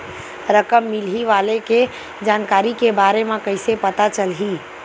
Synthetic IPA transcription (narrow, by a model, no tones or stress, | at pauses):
ɾəkəmːilɦiʋaleke | d͡ʒaːnkaːɾikebaːɾemekəɪsepət̪at͡ʃəlɦi